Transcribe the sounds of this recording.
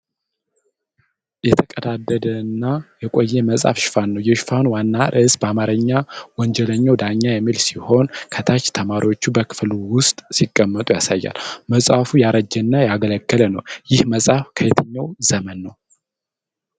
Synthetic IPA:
jɛt̪ʰəkʼəd̪ad̪ːəd̪əɨnːajɛkʼo̞jːɛməsʼa̰fʃɪ̥fanːəwjɛʃfanwanːaʔɨsbəamaɾəɲːawɔnd͡ʒɛləɲːawd̪aɲːajɛmːilsiho̞nkʰət̪ʰat͡ʃːt̪ʰəmaɾiwot͡ʃːubəkʰɨ̥fluwʊst̪ʼsikʼːəmːət̪ʼujasajːa̰lməsʼafujaɾəd͡ʒːɛnːajaɡələkːələnəwjɪhməsʼafkʰəjɛt̪ʰəɲːawzəmənːəw

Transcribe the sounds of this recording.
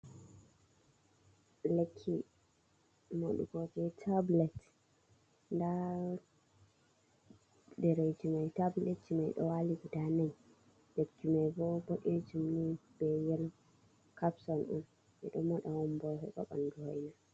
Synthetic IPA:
lekʰːi | mo̰ɗṵɡɔd͡ʒɛtʰablɛt | nda | dɛɾed͡ʒumajtablɛtːimajɗɔ̰waliɡudanaj | lekːimajɡɔbɔɗed͡ʒumibɛjɛl | kapsɔnɔ̰n | ʔɛ̰ɗɔmɔɗawɔmbɔhɛ̰ɓɔ̰ɓa̰nduhɔjna

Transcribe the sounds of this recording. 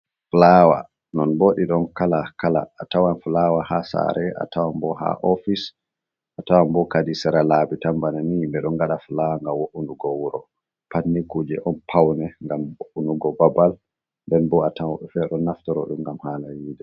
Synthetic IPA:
flawa̰ | nɔnboɗiɗɔnkalakala̰ːtawanflawaha̰sa̰ɾɛʔa̰tawambɔha̰ʔɔfis | ʔatawambɔkadisɛɾalabitambananimbɛɗɔŋɡaɗaflawaŋɡawoʔunduɡɔwuɾɔ | panːikuːd͡ʒɛʔɔnpʰawnɛŋɡamwoʔunuɡɔbabal | ndɛnbɔatawaɓɛfɛɗɔnːaftɔɾɔ̰ɗumɡamhalajiːdɛ

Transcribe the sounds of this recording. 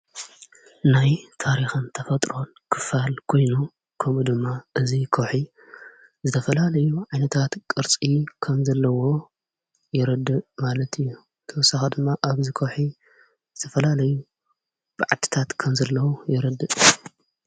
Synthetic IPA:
najt̪ʰaɾixɨnt̪ʰɐfɐt̪ʼɾo̞n | kʰɨfalkʰo̞jnu | kʰɐmud̪ɨmːaʔɨzikʰoħi | zɨt̪ʰɐfɐlalɐjuʕajnɐt̪ʰat̪kʼɨɾt͡sʼikʰɐmzɐlːɐwo̞ | jɪɾɨd̪ɨʔmalɐt̪ɨjːu | t̪ʰɐwɔsaxɐd̪ɨmːaʔaβzikʰowħi | zɨt̪ʰɐfɐlalɐju | b̥ɨʕat̪ʰi̥t̪ʰat̪kʰɐmzɐlːɐwujɪɾɐd̪ɨʔ

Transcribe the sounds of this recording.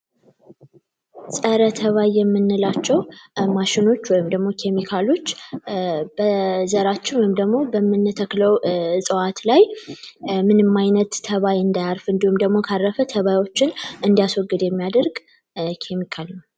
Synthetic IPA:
sʼəɾət̪ʰəβajːɛmːɨnːɨlat͡ʃːɛwmaʃɪno̞t͡ʃːwɔjɪmd̪əɡmo̞kʰe̞mikʰalo̞t͡ʃː | b̥əzəɾat͡ʃːɪnwɔjɪmd̪əɡmo̞bəmːɨnːɨt̪ʰəkləwsʼɨwat̪laj | mɨnɨmːajnət̪ːʰəβajɨnd̪ajaɾfɨnd̪ihumd̪əɡmo̞kʰaɾːəfət̪ʰəβajwo̞t͡ʃːɪnɨnd̪ijaswɔɡːɨd̪jɛmːijad̪əɾɡ | kʰemikʰaln

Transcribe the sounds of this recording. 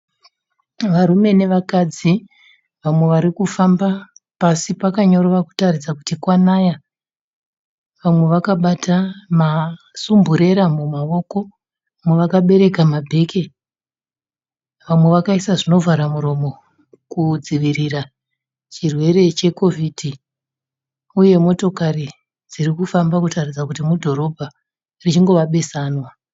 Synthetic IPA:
ʋaɾume̞ne̞ʋakad͡zi | ʋamwe̞ʋaɾikufambapasipakaɲo̞ɾoʋaku̥tarid͡zaku̥tikwanaja | ʋamwe̞ʋakaɓatʰama | sumbuɾe̞ɾamumao̞ko̞ | muʋakaɓe̞ɾe̞kamabʱe̞ke̞ | ʋamwe̞ʋakaisaʐino̞vʱaɾamuɾo̞mo | kud͡ziʋiɾira | t͡ʃirwe̞ɾe̞t͡ʃe̞ko̞vʱidʱi | uje̞mo̞to̞kaɾi | d͡zirikufambakutarid͡zakutimudʱo̞ɾo̞bʱa | rit͡ʃiŋɡo̞ʋaɓe̞saːnwa

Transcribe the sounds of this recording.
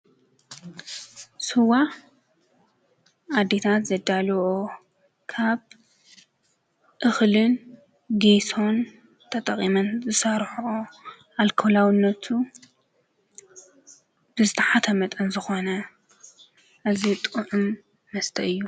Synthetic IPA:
sɨwa | ʔad̪ːet̪ʰat̪zɐd̪alwo | kʰaβ | ʔɨxlɨn | ɡiso̞n | t̪ʰɐt̪ʼɐqʼimɐnzɨsɐɾħo | ʔalkʰolawɨnːɐt̪ʰu | b̥ɨzɨt̪ʰɐħat̪ʰɐmɐt̪ʼɐnzɨxo̞nɐ | ʔazit̪ʼuʕumː | ɐst̪ʰɐɨjːu

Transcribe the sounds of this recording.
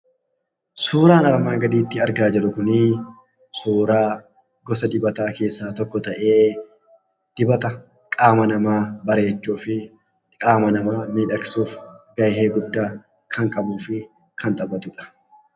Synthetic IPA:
suːɾaːnɐɾmaːŋɡɐd̪iːt̪ːɪɐɾɡaːd͡ʒɛlʊkʊnɪ | suːɾaː | ɡɔsɐd̪ɪbɐt̪aːke̞ːsːaːt̪ɔkːɔt̪ɐʔeː | d̪̥ɪbɐt̪ɐ | kʼaːmɐnɐmaːbɐɾe̞ːt͡ʃːuːfɪ | kʼaːmɐnɐmaːmiːᶑɐksuːfɡ̥ɐjɦeːɡʊd̪ːaː | kʰɐŋkʼɐbuːfɪ | kʰɐnt̪ʼɐbɐt̪ʊᶑɐ̥

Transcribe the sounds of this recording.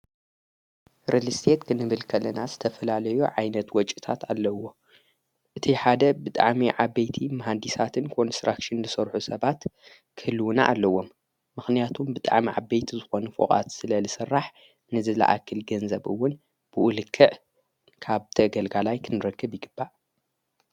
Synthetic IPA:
ɾelɨst̪ʰet̪kʰɨnɨβɨlkʰɐlːɐnazɨt̪ʰɐfɐlalɐjuʕajnɐt̪wɔt͡ʃʼit̪ʰat̪ʰalːɐwːo̞ | ʔɨt̪ʰiħad̪ɐbɨt̪ʼa̰ʕmiʕabejt̪ʰimɐɦand̪isat̪ʰɨnkʰo̞nst̪ɾakʃɨnzɨsɐɾħusɐβat̪ | kʰɨhɨlːwuna̰ʔːlːɐwːo̞mː | ɨxnijat̪ʰumbɨt̪ʼa̰ʕmiʕa̰bejt̪ʰizɨxo̞nufo̰kʼa̰t̪sɨlɐlɨsɨrːaħ | nɨzɨla̰ʔa̰kʰːɨlɡɐnzɐβɨwːʊn | b̥ɨʔulɨkʰːɨʕ | kʰaβt̪ʰɐɡɐlɡalajkʰɨnɨɾɐkʰːɨbjɪɡɨbːaʔ

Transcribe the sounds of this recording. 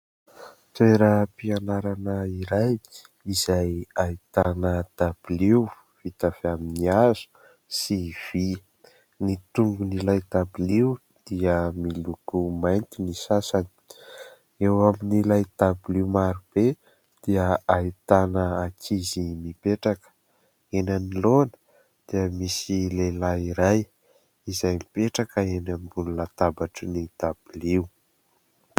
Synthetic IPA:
t̪eɾəpianaɾanəiɾaj | izajait̪anəd̪̥ab̥iliw | v̥it̪av̥eaminiazu̥ | siv̥i | nit̪uŋɡunilajd̪abiliu | d̪̥iəmilukumajnt̪inisasani̥ | ewaminilajt̪abiliwmaɾub̥e | d̪̥iəait̪anəakʰizimipeʈ͡ʂakə̥ | enanilonə̥ | d̪̥iəmisilelaiɾaj | izajmipeʈ͡ʂakəenambununat̪abaʈ͡ʂənit̪ab̥uliw

